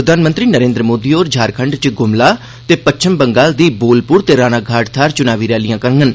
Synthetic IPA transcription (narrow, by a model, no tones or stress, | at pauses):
əd̪ʱaːnmənt̪ɾiːnəɾẽːnd̪ɾəmoːd̪iːoːɾd͡ʒʱaːɾkʰəɳɖt͡ʃɡʊmlaː | t̪eːpət͡ʃʰəmbəŋɡaːld̪iːboːlpʊɾt̪eːɾaːnaːɡʱaːʈt̪ʰaːɾt͡ʃʊnaːʋiːɾɛːlijãːkəɾŋɡən